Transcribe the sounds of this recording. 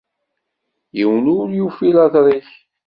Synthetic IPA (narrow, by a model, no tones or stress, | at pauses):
jiwnʊɾjufilɑðɾˤiç